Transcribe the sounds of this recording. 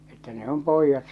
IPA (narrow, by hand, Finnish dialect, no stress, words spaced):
etːæ ne om poijːɑt